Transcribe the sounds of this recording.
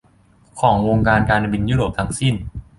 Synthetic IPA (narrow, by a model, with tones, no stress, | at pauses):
kʰɔː˩˦ŋwoː˧ŋkaː˧nkaː˧na˧bi˧njuː˥˩ɾoː˨˩p̚t̪ʰa˧ŋsi˥˩n